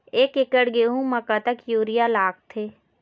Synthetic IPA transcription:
eːkɪkəɽɡeːɦũməkat̪əkjuːɾijalaːk̚t̪ʰeː

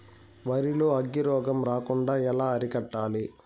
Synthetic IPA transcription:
ʋɐɾiloːɐɡːiɾɔːɡɐmɾaːkuɳɖaːɛlaːɐɾikɐʈːaːli

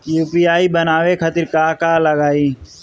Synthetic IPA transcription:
juːpiːaːibənaːʋekʰət̪ɪɾkaːkaːləɡaːiː

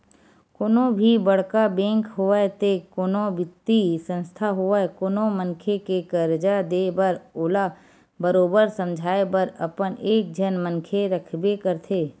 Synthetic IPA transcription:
koːnobʱibəɽ̤kabẽːŋkɦoʋaet̪ekoːnõbɪt̪ːisə̃nst̪ʰaɦoaekoːnomənkʰekekəɾd͡ʒad̪eːbəɾoːla | bəɾoːbəɾsə̃md͡ʒʱaːebəɾəpənʔeːk̚d͡ʒʱənmənkʰeɾəkʰbekəɾt̪ʰeː

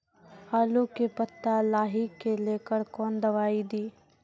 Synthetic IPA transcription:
haːlukepət̪ːalaːɦikːeleːkəɾkɔːnd̪ɐʋaːid̪iː

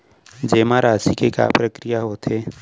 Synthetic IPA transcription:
d͡ʒeːmaɾaːsikeka̰ːpɾəkɾijaɦoːt̪ʰe

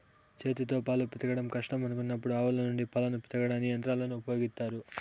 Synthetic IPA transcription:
t͡ʃe̞ːt̪it̪o̞ːpaːlupit̪ɐɡɐɽɐmkɐʂʈɐmɐnukunːɐpːuɽuaːʋɐlɐnuɳɖipɐlɐnupi̥t̪ɐɡɐɽaːnːiɐnt̪ɾaːlɐnuupɐjo̞ːɡit̪ːaːɾu

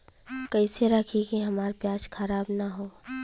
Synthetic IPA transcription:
kɐiseɾɐkʰikiɦɐmaːɾpjaːd͡ʒkʰɐɾaːbnaɦoː

